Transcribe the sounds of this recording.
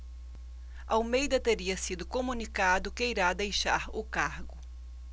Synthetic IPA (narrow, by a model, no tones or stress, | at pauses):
awmejd̪ɐt̪eɾiɐsid̪ʊkomũnikad̪ʊkeiɾad̪ejʃaɾʊkaɾɡʊ